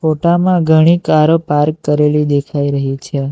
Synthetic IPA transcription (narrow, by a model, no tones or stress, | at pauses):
foʈamãɡʱəɽ̃ikaɾopaɾkːəɾelid̪ekʰaiɾəɦit͡ʃʰe